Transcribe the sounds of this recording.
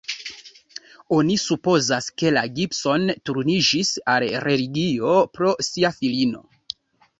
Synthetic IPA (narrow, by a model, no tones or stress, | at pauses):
onisupo̞zaske̞laɡipso̞ntuɾnid͡ʒisalɾe̞liɡio̞pɾo̞siafilino̞̰